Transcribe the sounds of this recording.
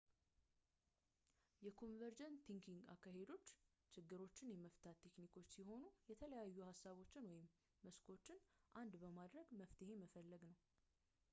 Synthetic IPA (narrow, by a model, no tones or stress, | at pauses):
jɛkʰo̞nvəɾd͡ʒənt̪ʰiŋkʰiŋɡa̰kːaɦe̞d̪o̞t͡ʃː | t͡ʃʰɪɡːɨɾo̞t͡ʃːɪnjɛməft̪ʰat̪ʰːe̞knikʰo̞t͡ʃːsiɦo̞nujɛt̪ʰələjajːuhasːaβo̞t͡ʃːɪnwɔjɪmː | əskʰo̞t͡ʃːɪnʔand̪bəmad̪ɾəɡməft̪ʰɨhe̞məfəlːəɡnəw